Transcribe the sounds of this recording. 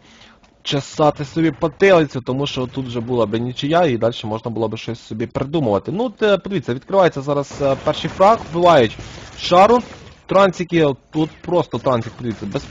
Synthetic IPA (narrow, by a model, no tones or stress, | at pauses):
t͡ʃɐsɑt̪ɪsɔbʲipɔt̪ɪlˠɪt͡sʲʊt̪ɔmuʃt͡ʃɔt̪ut̪wʒɛbulˠɐbɪnʲit͡ʃɪjaid̪ɑlʲʃɛmɔʒnɐbʊlˠɔbɪʃt͡ʃɔsʲsʲɔbʲipɾed̪umʊʋɐt̪ɪnut̪pɔd̪eɪʋitʲt͡sʲːɐʋʲid̪̚kɾɪʋɑjet͡sʲːɐzɑɾɐzpɛrʃijfɾɑxbʊʋɑjʊtʲʃɑɾʊt̪ɾɑnʲt͡sʲikiɔt̪ut̪pɾɔst̪ɔt̪ɾɑnʲt͡sʲikpɔd̪eɪʋʲitʲt͡sʲːɐbɛs